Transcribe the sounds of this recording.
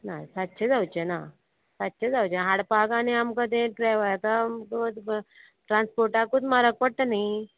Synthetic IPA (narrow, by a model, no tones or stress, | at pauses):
na̰sat̪ːɕʰed͡zawt͡ɕena | sat̪ːɕʰed͡zawt͡ɕeɦaɽpaɡaneamkəd̪ẽʈɾaʋajkak̪ | ʈɾãnspoɾʈakut̪maɾək̚pəɽ̚t̪ənai